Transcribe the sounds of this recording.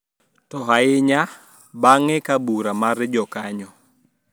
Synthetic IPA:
tɔɦaɪɲa | baŋɛkabuɾamaɾd͡ʒɔkaɲɔ

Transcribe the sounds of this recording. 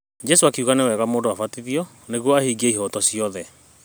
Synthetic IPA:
d͡ʒɛsoakuɣanewɛɣamoːndowafatiðiɔ | neɣwɔahiɡieiɦɔtɔsiɔðɛ

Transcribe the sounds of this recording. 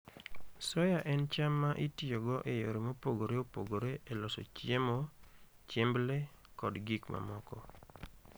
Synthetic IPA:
sɔjaʔɛnt͡ʃamːaʔitjoɡɔʔejoɾemopoɡoɾeopoɡoɾeelɔso̰t͡ʃjemo | t͡ʃemble | kɔdɡikmʔa̰mɔkɔ

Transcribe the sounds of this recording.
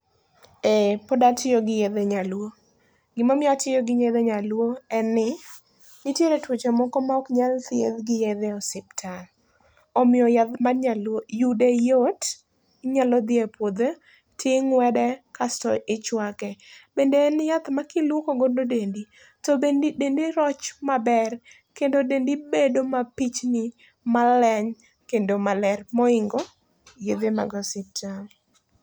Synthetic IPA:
epɔdatɪjoɡɪjed̪eɲalwo | ɡɪmamɪatɪjɔɡɪɲed̪eɲalwoɛnːɪ | nɪtjeɾetwot͡ʃomɔkɔmaɔkɲalt̪ɪḛd̪ɡɪjed̪ɛɔsɪp̚tʰal | ɔmɪjɔjat̪maɲalojudejot | ɲalɔd̪ɪepwod̪e | tʰɪŋwɛdɛkastɔ̰ʔɪt͡ʃwakɛbendeːnjat̪makilwokoɡododendi | tɔbendidendiɾɔt͡ʃmabɛr | kendodendibedomapit͡ʃnɪ | malɛɲ | kendomalɛrmɔɪŋɡo | jed̪ema̰ɡɔsɪtal

